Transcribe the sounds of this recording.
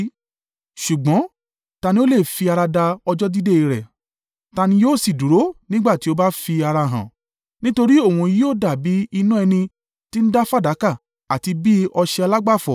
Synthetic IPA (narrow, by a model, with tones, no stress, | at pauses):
ʃu˨ɡ͡bɔ̃˨˦ | ta˧nĩ˦o˦le˦˨fi˧a˧ɾa˧da˧ɔ˧d͡ʒɔ˦di˦de˦i˧ɾɛ̰˨ | ta˧nĩ˧joː˦˨si˨du˨ɾo˨˦nĩ˦ɡ͡ba˦˨ti˦o˧ba˦fi˧a˧ɾa˧ɦã̰˨ | nĩ˦to˧ɾi˦o˦˨wũ˧˨ji˦o˦˨da˨bi˨˦i˧nũ˦ɛ˧nĩ˧ | ti˦n̩˦da˦fa˦˨da˨˦ka˦˨ | a˨ti˧bi˦ɔ˧ʃɛ˧ɔ˧la˦ɡ͡ba˦˨fɔ˨